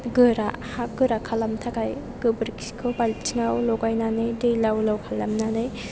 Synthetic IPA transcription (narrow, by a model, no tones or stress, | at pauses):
ɡɯɾahaɡɯɾakʰalamtʰakaj | ɡɯbɾkʰiskʰɯwbalit͡ʃʰiŋawlɔɡajnanɯjdɯjlawlawkʰalːamnanɯj